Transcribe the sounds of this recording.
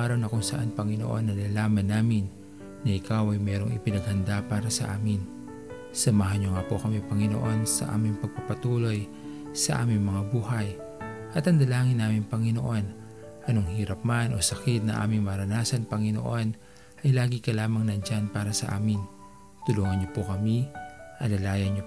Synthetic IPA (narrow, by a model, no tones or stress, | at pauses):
ʔaːɾɐwnɐkʊŋsɐʔanpɐŋɪno̰ʔonːɐlalaːmɐnːaːmɪnː | ɐʔɪkawɐjmɛːɾo̞ŋɪpɪnɐɡhɐnd̪apaːɾɐsɐʔa̰ːmɪn | sɐmaɦɐɲɲoŋapokɐmipɐŋɪno̰ʔo̞nsɐ̰ʔa̰ːmɪŋpɐɡ̚papɐt̪uːlo̞j | sɐʔa̰ːmɪŋmɐŋabuːɦɐj | ʔɐt̪ɐnd̪ɐlaːŋɪnːaːmɪŋpɐŋɪno̞ʔo̞n | ʔɐnoŋhiːɾɐp̚manʔo̞sɐkɪt̪̚nɐ̰ʔa̰ːmɪŋmɐɾɐnaːsɐnpɐŋɪno̞̰ʔo̞n | ʔɐjlaːɡikɐlaːmɐŋnɐnd͡ʒanpaːɾɐsɐʔa̰ːmɪn | t̪ʊluːŋɐnɲopokɐmiʔɐlɐlaːjɐnɲo